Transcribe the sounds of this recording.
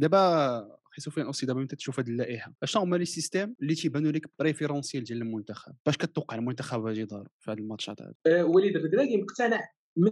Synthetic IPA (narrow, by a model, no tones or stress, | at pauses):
d̪æbæxisufijænʔusˤid̪æbæmənt̪æt̪ʃufhæd̪əlːæʔiħaʔæʃt̪æ̃mæləsːist̪æməlːit̪ibænːuləkbɾefeɾɑ̃sjæld̪æləlmʊnt̪æxæ̰b̥̚ːæʃkæt̪ːwqːɑʕlmʊnt̪æxæbhæʒid̪ˤɑɾˤufihæd̪əlmɑt̪ˤʃɑ̰t̪ˤhæ̰d̪wælid̪fəd̪ɾæɡiməqt̪ænəʕ | m